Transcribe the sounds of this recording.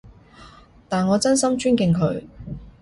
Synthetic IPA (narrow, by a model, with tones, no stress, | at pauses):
t̪aː˨nŋɔː˨˧t͡sɐ˥nsɐ˥mt͡ʃyː˥nkɪ˧ŋkʰɵ̰˨˧˥ɥ